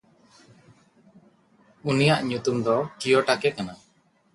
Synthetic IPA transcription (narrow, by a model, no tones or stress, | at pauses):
unijaʔɲut̪umd̪ɔkijɔʈakɛkana